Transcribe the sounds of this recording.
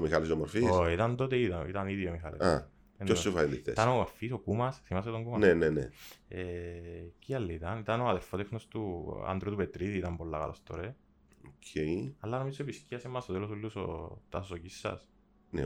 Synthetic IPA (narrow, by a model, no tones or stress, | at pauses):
omixalisomoɾfioit̪ɐnt̪ot̪eit̪ɐit̪ɐniðjomixa̰lḛa | enosufɐiniθḛit̪ɐnomoɾfisokumɐsθimɐs̬et̪oŋɡumɐnenenḛe | ciɐlːit̪ɐnit̪ɐnoɐðeɾfot̪exnost̪ua̰nd̪ɾut̪upet̪ɾiðiːt̪ɐmbolːakɐ̰lɐst̪o̰ɾe | okʰejɐlːanomizoepisciɐsemːɐsot̪elosulːuso̰t̪ɐsosocisːɐ̰s | nḛ